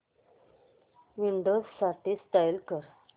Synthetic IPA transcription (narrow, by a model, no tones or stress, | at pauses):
ʋiɳɖossaʈisʈ̪ajlkəɾ